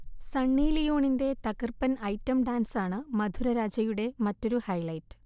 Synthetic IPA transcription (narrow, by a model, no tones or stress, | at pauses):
sɐɳːiːlijo̞ːɳinde̞t̪ɐkɨrpɐnɐjtːɐmɖaːnsaːɳɨmɐd̪ʱuɾɐɾaːd͡ʑɐjuɽe̞mɐtːo̞ɾuhɐjlɐjtːɨ̥